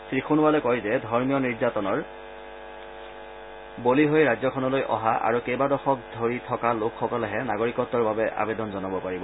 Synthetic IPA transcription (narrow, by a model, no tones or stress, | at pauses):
sɹixʰunʊwalɛkɔjzɛdʱɔɹmijɔniɹzatɔnɔɹ | boliɦojɹazɔkʰɔnɔlojʔɔ̰ɦaʔa̰ɹukejbadɔxɔk̚dʱoɹitʰɔkalokʰːɔkɔlɛɦɛnaɡoɹikɔtːɔɹbabɛʔa̰bɛdɔnzɔnɔbɔpaɹibɔ